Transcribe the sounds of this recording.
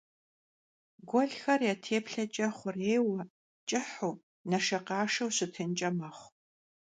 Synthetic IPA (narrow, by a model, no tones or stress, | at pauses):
ɡʷɔɮxɐrjaːtʰeːpɬɐt͡ʃʼɐχʷʊreːwɐ | t͡ʃʼɨħuː | nɐʃɐqɑːʂɐwɕɪtʰɨnt͡ʃʼɐmɐχʷ